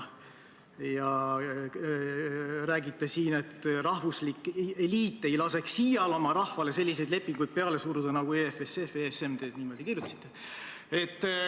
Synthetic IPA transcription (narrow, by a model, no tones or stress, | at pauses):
jɑ | ræːɡit̪ːesiːne̞t̪ːrɑhvuslikːe̞liːt̪ːe̞jlɑse̞ksːijɑlo̞mɑɾɑhvɑle̞se̞lʲːisejd̪le̞pːiŋɡ̥ujd̪̥̚pe̞ɑle̞suɾud̪̥ɑnɑɡ̥uefesefesemd̪e̞ːt̪niːmo̞d̪ikirjut̪ːˑɑ̥si̥t̪ːˑe̞ | e̞t̪ːˑ